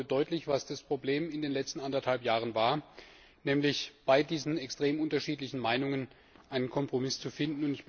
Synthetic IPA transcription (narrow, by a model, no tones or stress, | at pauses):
dɔʏtʰlɪçv̥asd̥aspʁ̥obleːmɪndeːnlɛt͡stn̩andɐthalpjaːʁ̞ənvaːɐ | nɛːmlɪçb̥aɪdiːzn̩ɛkstʁ̥eːmʔʊntɐʃiːtlɪçn̩maɪnʊŋən | ʔaɪnənkʰɔmpʁ̥omɪst͡sufɪndn̩ʊntɪç̥